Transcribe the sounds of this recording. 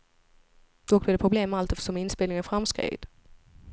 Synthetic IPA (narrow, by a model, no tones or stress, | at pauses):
d̪̥ɔk̚blɛd̪ɛpʰɾʊbleːmːɛalt̪ɛft̪ə̥sʂɔmɪnspeːlɪŋənfɾamskɾḛːd̪̥